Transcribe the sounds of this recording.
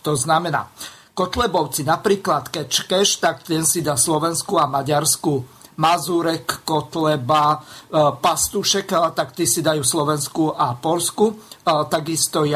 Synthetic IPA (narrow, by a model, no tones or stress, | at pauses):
t̪ɔznamɛna̰ː | kɔt̪lɛbɔʊt͡sinapɾiːklat̪kɛt͡ʃkɛʃt̪akt̪ɛnsid̪aːslɔʋɛnskuamaɟaɾsku | mazuɾɛkːɔt̪lɛba | past̪uʃɛkt̪akt̪isid̪ajuːslɔʋɛnskuʔapɔʎskut̪aɡist̪ɔj